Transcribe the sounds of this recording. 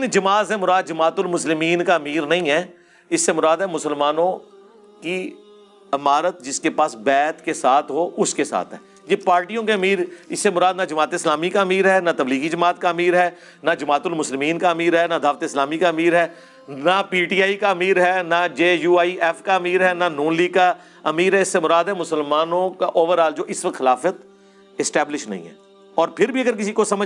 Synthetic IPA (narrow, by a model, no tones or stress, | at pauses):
nd͡ʒɐmaːzɛmʊɾaːd̪̚d͡ʒɐmaːt̪ʊlmʊslɪmiːnkamiːɾnɐɦĩɦɛː | ɪsːemʊɾaːd̪ɦɛːmʊsəlmaːnõ | ki | ɐmaːɾət̪̚d͡ʒɪskepaːsbɛːt̪kesaːt̪ʰɦoːʊskesa̰ːt̪ʰɦɛ̰ː | jeːpaːɾʈijõkeəmiːɾɪsːemʊɾaːd̪nad͡ʒɐmaːt̪eɪslaːmikamiːɾɦɛːnat̪ɐbliːɡid͡ʒəmaːt̪̚kaəmiːɾɦɛː | nad͡ʒɐmaːt̪ʊlmʊslɪmiːnkaəmiːɾɦɛːnad̪ʱaːʋt̪eɪslaːmikaːmiːɾɦɛː | napiːʈiːaːikaɐmiːɾɦɛːnad͡ʒeːjuːaːiʔɛfkaɐmiːɾɦɛːnanuːnliːɡka | ɐmiːɾɦɛɪsːemʊɾaːd̪ɦɛmʊsəlmaːnõkaʔoːʋəɾaːld͡ʒoːʔɪsʋək̚t̪xɪlaːfət̪ | ɪsʈɛːblɪʃnɐ̰ɦḭ̃ːɦɛ̰ː | ɔːɾpʰɪɾbʱiɐɡəɾk̬ɪsikosɐmə